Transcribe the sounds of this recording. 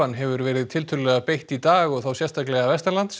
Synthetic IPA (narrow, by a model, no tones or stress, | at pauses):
anːɦɛvʏɾvɛːɾɪðt̪ʰɪlt̪ʰʏlːɛɣapejht̪it̪aːɣɔɣθawsjɛst̪ʰaklɛɣavɛst̪ɛɾlant̪s